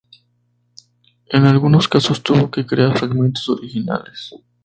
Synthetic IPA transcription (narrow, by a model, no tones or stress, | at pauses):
enalɣunoskasost̪uβokekɾeafɾaɣmẽnt̪osoɾixina̰les